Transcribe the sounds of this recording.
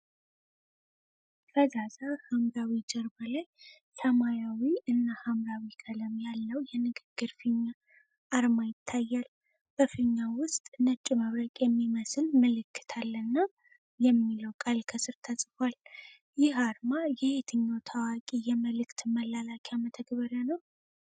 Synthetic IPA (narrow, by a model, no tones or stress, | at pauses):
fəzazahamɾawid͡ʒəɾbəlaj | səmajawiʔɨnːahamɾawikʰʼələmjalːəwjɛnɨɡɨɡ̥ːɨɾfɨɲːa | ʔːɾmajɪt̪ʰːajːal | b̥əfɨɲːawʊst̪ʼnət͡ʃʼːiməβɾəkʼjɛmːiməsɨlməlɨkːɨ̥t̪ʰalːənːa | jɛmːiləwkʼalkʰəsɨɾt̪ʰasʼfal | jɪɦaɾmajɛhet̪ʰɨɲːawt̪ʰawakʼijɛməlɨkt̪məlalakʰʼamət̪ʰəɡβəɾjanəw